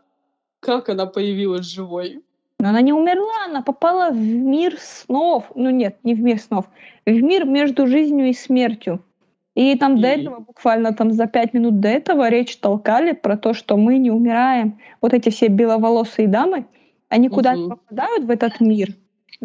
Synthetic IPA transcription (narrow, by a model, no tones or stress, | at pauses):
kakɐnapəjɪvʲilˠəsʲʐɨvoj | nuɐnanʲɪʊmʲɪrlˠaɐnapɐpalˠəvmʲirsnofnunʲet̪̚nʲɪvmʲirsno̞fvmʲirmʲe̞ʐd̪ʊʐɨzʲnʲjʊismʲe̞rtʲjʊ | it̪amd̪ɐɛt̪əvəbʊkvalʲnət̪amzɐpʲætʲmʲɪnut̪̚d̪ɐɛt̪əvəɾʲet͡ɕt̪ɐlˠkalʲɪpɾɐt̪o̞ʂt̪omɨnʲɪʊmʲɪɾajɪmvot̪ɛtʲɪfsʲebʲɪlˠəvɐlˠo̞sɨɪd̪amɨ | ɐnʲikʊd̪apəpɐd̪ajʊt̪vɛt̪ət̪mʲir